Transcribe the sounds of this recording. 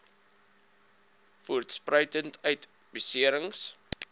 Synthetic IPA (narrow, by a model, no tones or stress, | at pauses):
fuərtsprəjtəntœɥt | bisiəɾəŋs